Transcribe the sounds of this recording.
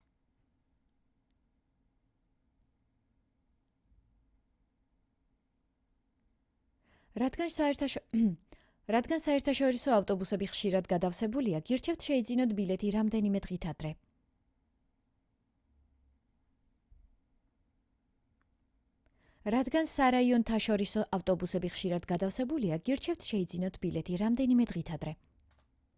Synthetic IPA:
ɾad̪ɡansaɛɾt̪ʰaʃɔɾisɔaft̪ʼɔbusɛbiχʃiɾad̪ɡad̪afsɛbuliaɡiɾt͡ʃʰɛft̪ʰʃɛid̪zinɔd̪bilɛt̪ʰiɾamd̪ɛnimɛd̪ʁit̪ʰad̪̥ɾɛ | ɾad̪ɡansaɾaiɔnt̪ʰaʃɔɾisɔʔaft̪ʼɔbusɛbiχʃiɾad̪ɡad̪afsɛbuliaɡiɾt͡ʃʰɛft̪ʰʃɛid̪zinɔd̪̥bilɛt̪ʰiɾamd̪ɛnimɛd̪ʁit̪ʰad̪ɾɛ

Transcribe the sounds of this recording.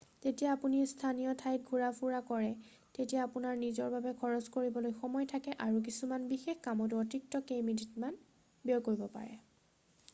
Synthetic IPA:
zetijaːpunistʰanijɔtʰajt̚ɡʱuɹapʰuɹakɔɹɛ | tetijaːpunaɹnizɔɹbabɛkʰɔɹɔskoɹibɔlojxɔmɔjtʰakɛʔaɹuk̬isumanbixexkamɔt̬uɔtɹik̚tɔkejmiditman | bijɔkoɹibɔpa̰ɹɛ̰

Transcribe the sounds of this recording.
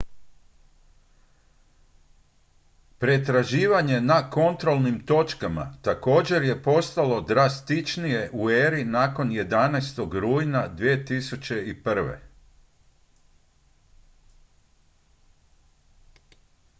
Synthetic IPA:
pɾe̞t̪ɾaʒiːʋaɲe̞nako̞nt̪ɾo̞lˠnimt̪o̞t͡ʃkama̰t̪ako̞ːd͡ʑe̞ɾje̞po̞st̪alo̞d̪ɾast̪it͡ʃnije̞ʔueːɾinaːko̞nje̞d̪anast̪o̞ɡɾuːjnad̪ʋije̞t̪isut͡ɕe̞ipr̩ʋḛ

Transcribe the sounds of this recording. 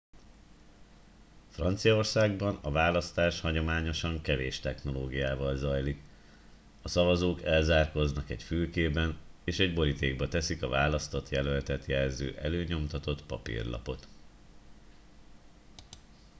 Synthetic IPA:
frɒnt̪sijɒo̞rsaːɡbɒnɒvaːlɒst̪aːʃhɒɟo̞maːɲo̞ʃɒŋkɛveːʃt̪ɛxno̞loːɡijaːvɒlzɒjlik | ɒsɒvɒzoːkɛlzaːrko̞znɒkɛcfylkeːbɛneːʃɛɟbo̞ɾit̪eːɡ̚bɒt̪ɛsikɒvaːlɒst̪ot̪jɛlølt̪ɛt̪jɛlzø̰ːʔɛløːɲo̞mt̪ɒt̪o̞t̪pɒpḭrlɒ̰po̞t̪

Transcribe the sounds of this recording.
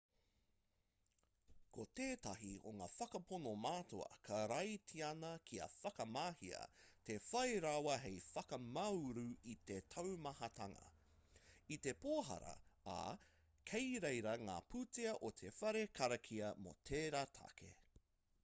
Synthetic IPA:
kʰoteːtɐɦio̰ŋa̰ːfɐkɐponomaːtʰo̰ɐ̰kʰɐɾɐjtʰiɐnɐkʰiɐ̰fɐkɐmaːhiɐ̰t̪efɐjɾawɐɦejfɐkɐmɐwɾuit̪etʰɐwmɐhɐtɐŋɐ̰ | it̪e̞poːɦɐ̰ɾɐ̰a̰ | kʰejɾejɾɐŋa̰ːpʰuteɐʔot̪ʰe̞fɐɾekʰɐɾɐkʰiɐmo̰tʰeːɾatʰa̰kʰḛ

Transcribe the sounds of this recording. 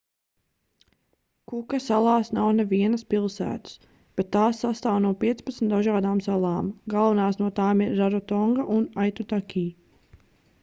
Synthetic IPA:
kukasalˠɑːsnawnɛviɛnɐspilˠsæ̰ːt̪u̥s | b̥et̪ːaːsːast̪aːwnuɔpiɛt̪spat̪sm̩t̪d̪aʒaːd̪aːmsalˠɑːmɡalˠvanaːsnuɔt̪aːmiɾːaɾɔt̪ɔŋɡaʔunajt̪ut̪akʰʲiː

